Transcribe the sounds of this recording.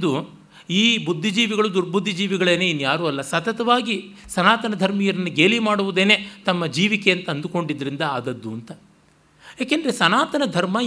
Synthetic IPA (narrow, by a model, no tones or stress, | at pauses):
d̪u | iːbud̪ʱːid͡ʒiːʋiɡɐɭud̪uɾbʱud̪ːid͡ʒiːʋiɡɐɭeːneːinːujaːɾuɐlːɐsɐt̪ɐt̪ɐʋaːɡi | sɐnaːt̪ɐnɐd̪ʱɐɾmijɐɾɐnːuɡeːlimaːɽuʋud̪e̞ːne̞ːt̪ɐmːɐd͡ʒiːʋikeɐnt̪ɐːnd̪uko̞ɳɖid̪ːɐɾind̪ɐaːd̪ɐd̪ːuɐnt̪ɐ | jaːkend̪ɐɾesɐnaːt̪ɐnɐd̪ʱɐɾmɐ